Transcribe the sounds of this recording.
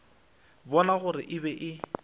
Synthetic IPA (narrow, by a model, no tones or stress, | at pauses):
bɔnaɣʊɾɪʔɪbɛʔɪ